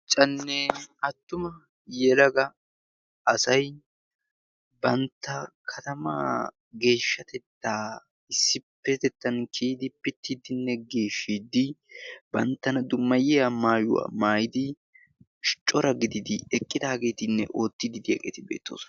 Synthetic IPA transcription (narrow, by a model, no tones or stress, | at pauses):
t͡ʃʼɐnːɛɐt̪ːʊmɐ | jɛlɐɡɐ | ɐsɐj | bɐnt̪ːɐkʰɐt̪ɐma̰ | ɡe̞ːʃːɐt̪ɛt̪ːaː | ɪsːɪpːɛt̪ɛt̪ːɐnkʰiːd̪ɪpːɪt̪ːɪd̪ɪnːɛɡe̞ːʃːid̪ɪbɐnt̪ːɐnɐd̪ʊmːɐjɛɐmaːjʊ̰wa̰ːmaːjɪd̪ɪ | ʃt͡ʃʼɔɾɐɡɪd̪ɪd̪ɪɛkʼːɪd̪aːɡe̞ːt̪ɪnːɛ̰ʔo̞ːt̪ːɪd̪ɪd̪ɪjɐ̰ːɡḛːt̪ɪbe̞̰ːt̪ːo̰ːsɔ